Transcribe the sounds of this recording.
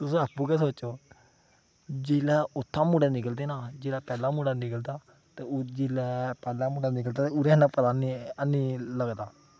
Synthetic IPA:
t̪ʊsõapːũːkɛːs̬oːoː | d͡ʒeːlɛːʊt̪ʰːãːmuːɽãːnɪk̬əld̪eːnaːd͡ʒeːlaːpɛːlaːmuːɽaːnɪkəld̪aː | t̪eːd͡ʒeːlɛːpɛːlãːmuːɖãːnɪk̬əld̪aːt̪euɾɛ̃ːnãːpət̪aːniəniːləɡd̪aː

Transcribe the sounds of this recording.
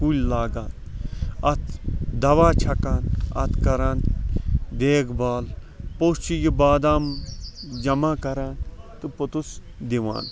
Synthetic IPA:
kulʲlaːɡaːt̪ɐt̪ʰd̪ɐʋaːt͡ʃʰɐkaːnɐ̰t̪ʰkɐɾaːn | d̪eːkbaːl | poːst͡ʃijibaːd̪aːm | d͡ʒɐmaːkɐɾaːnt̪ɨpot̪us | d̪iʋa̰ːn

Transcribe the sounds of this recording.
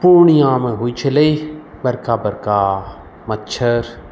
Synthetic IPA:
puɾɳ̃iːãːmeɦuit͡ʃʰəlei | bɐɾkaːbɐɾkaː | mɐtːt͡ʃʰəɾ

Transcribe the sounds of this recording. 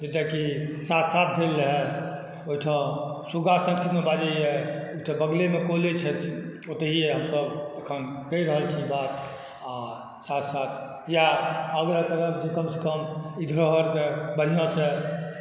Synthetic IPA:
d͡ʒet̪ekisat̪ʰsat̪̚ʰbʱelːəɦɛ | oiʈʰə̃suɡasə̃ŋkit̪mẽbad͡ʒaiɛoiʈʰə̃bəɡlemẽkolet͡ʃʰɛt͡ʃʰot̪əɦieɦəmsəb̪ekʰənkəiɾəɦəlt͡ʃʰibat̪̚ | a | sat̪ʰsat̪ʰ | jaəɡɾakəɾək̚d͡ʒekəmsekəmid̪ʱɾəɦəɾkebəɽ̤ijãse

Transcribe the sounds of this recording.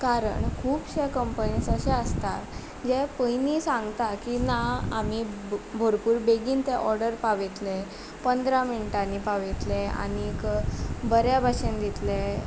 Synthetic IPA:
kaɾə̰ɳkʰuːpɕekəmpəniːsəɕɛ̃əst̪at | d͡ʑɛpəjnisãŋɡt̪akinaami | bʱoɾpuːɾbeɡiːnt̪ɛʔɔɾɖəɾpaʋet̪le | pənd̪ɾaminiʈanipaʋet̪lea̰ñikbəɾjabʱaɕend̪it̪le

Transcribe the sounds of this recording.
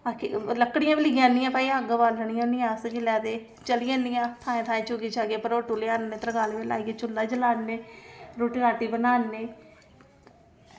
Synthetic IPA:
akḛləkɽɪjãːbɪlɪɡjãːnɪjãːpaːiaːɡabaːləɳ̃ɪjãnɪjãːsəkilɛːd̪eː | t͡ʃəlɪjãːnːɪjãːt̪ʰaːẽːt̪ʰãːẽːt͡ʃoɡiːt͡ʃaːɡeːpəɾoːʈuleaːnːẽːt̪əɾəɡaːleʋela̰ːiɡet͡ʃʊlːaːd͡ʒəlaːnːeːɾoːʈiɾaːʈiːbənaːnːeː

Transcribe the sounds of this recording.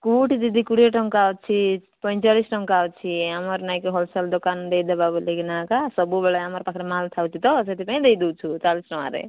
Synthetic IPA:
kuʈid̪id̪ikuɽeʈʌŋkawt͡sʰi | pʌjt͡salisʈʌŋkawt͡sʰiamʌɾnajkoɦolsald̪okand̪ejd̪ababuleɡinakasʌbubaɭaamʌɾpakʰɾamalt̪ʰawt͡sʰit̪ʌt͡sʌt̪ipaĩd̪ejd̪uwt͡sʰut͡salisʈʌw̃a̰ɾḛ

